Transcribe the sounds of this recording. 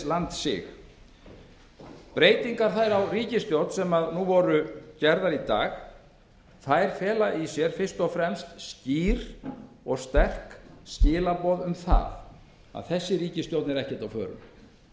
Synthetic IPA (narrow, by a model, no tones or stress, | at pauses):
lant̪sɪ̰ɣ | pɾeːjt̪iŋkaɾ̥θajɾawriːcɪst̪jowt̪n̥sɛmaðnuvɔɾʏcɛɾðaɾit̪a̰ːx | θajɾ̥fɛːlaʔisjɛɾ̥fɪr̥st̪ɔfɾɛmst̪sciːɾ | ɔɣst̪ɛr̥kscɪːlapɔðʏmθa̰ð | a̰ðθɛsːɪɾiːcɪst̪jowt̪nɛɾɛhcɛ̥ɾ̥t̪awfœ̰ːɾʏ̰m